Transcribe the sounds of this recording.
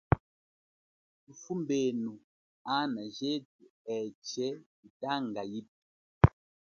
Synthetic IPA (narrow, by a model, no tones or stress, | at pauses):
tufumbenu | anaʒet̚uɛt͡ʃɛ | itaŋɡajip̚i̥